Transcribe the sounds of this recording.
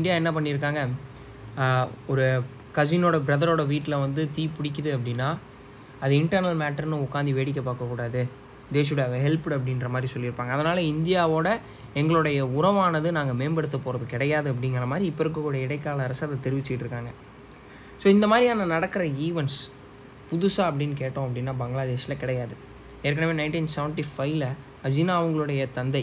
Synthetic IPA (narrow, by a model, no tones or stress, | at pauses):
ɪnd̪ɪjaːɛnːɐpɐɳːɪɾɯk̬ːaːŋɡɐ | ɔɾɯ | kɐd͡ʒɪnoːɽɐbɪɾɐðɐɾoːɽɐʋiːʈːɪlɐʋɐnd̪ɯt̪iːpʊɽɪk̬ʲːɐðɯɐpːɐɽɪnːaː | ɐðɯɪɳʈɐɾnɐlmaːʈːɐɾnɯʊkːaːnd̪iʋeːɽɪk̬ːɐpːaːkːɐkːuːɽaːðɯ | d̪eːs̬jɽɐɐɐɦɛlpɽɐp̬ːɐɽɪnrɾɐmaːd̪ɾisɔlːɪɾɯpːaːŋɡɐːðɐnaːlɐɪnd̪ɪjaːʋoːɽɐ | ɛŋɡɐɭʊɽɐjɐʊɾɐʋaːnɐðɯnaːŋɡɐmeːmbɐɽɯt̪ːɐpoːɾɐðɯkɪɽɐjaːðɯɐp̬ːɐɽɪŋɡɾɐɐmaːd̪ɾiɪpːɔɾɯkːɯkːuːɽɐɪɽɐɪkːaːlɐɐɾɐsaðɐt̪ɛɾɪʋɪt͡ʃːɯkɪʈːɪɾɯkːaːŋɡɐ | soːɪnd̪ɐmaːd̪ɾiɐnɐnɐɽɐkːɯɾɐiːʋɐns | pʊðʊsaːɐp̬ːɐɽɪnːk̬eːʈːõːɐp̬ːɐɽɪnːaːbɐŋɡɭaːd̪eːʂɪlɐkɪɽɐjaːðɯ | eːɾk̬ːɐɳɐʋeːnɐɪɳʈinsɛʋɐɳʈifɐɪʋlɐ | ɐd͡ʒinaːʋɐŋɡɐɭɯɽɐjɐt̪ɐnd̪ɐɪ